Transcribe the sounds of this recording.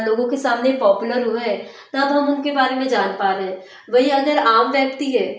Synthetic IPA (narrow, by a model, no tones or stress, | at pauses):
loːɡõkesaːmnepɔːpjʊləɾɦoɦɛ | nat̪oɦɐmʊnkebaːɾemẽd͡ʒaːnpaːɾeɦɛ̃ː | ʋɐɦiɐɡəɾaːmʋjɐk̚t̪iɦɛː